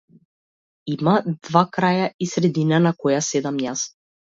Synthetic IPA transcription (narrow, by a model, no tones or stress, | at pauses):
imad̪vakɾajaisɾɛd̪inanakɔjasɛd̪amjas